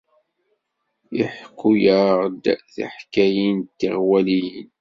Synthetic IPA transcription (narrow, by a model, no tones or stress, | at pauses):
iħkːujəʁd̪æθa̰ħkæjint̪ːiʁwælin